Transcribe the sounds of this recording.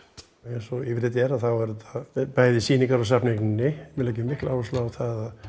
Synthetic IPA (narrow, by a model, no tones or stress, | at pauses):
ɛnsɔɪvɪɾɪt̪ɛɾaθawɛɾʏt̪ʰapajðɪsiːniŋkaɾawsapnɪknnːɪmɪlaːjcʏmɪhklawvɔslaːwθaðað